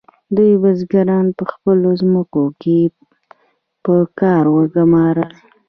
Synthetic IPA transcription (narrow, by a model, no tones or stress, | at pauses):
d̪ujbazɡaɾɑnpəxpəlozməkoke | pəkɑɾwəɡʊmɑɾəl